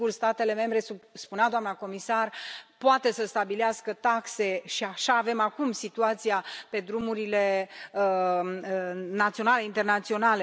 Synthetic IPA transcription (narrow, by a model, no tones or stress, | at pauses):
urst̪at̪e̞le̞me̞mbɾe̞suspunead̪oamnako̞misarpoat̪e̞səst̪abileaskət̪akse̞ʃiaʃaːve̞makumsit̪uat̪sijape̞d̪ɾumuɾile̞ | nat̪sio̞nale̞int̪ernat̪sio̞nale̞